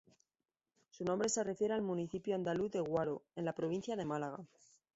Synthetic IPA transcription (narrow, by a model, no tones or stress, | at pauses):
sunõ̞mbɾe̞se̞re̞fje̞ɾealmuniθipjoand̪aluθðe̞ɣwaɾoe̞nlapɾo̞β̞in̟θjaðe̞malaɣ̞a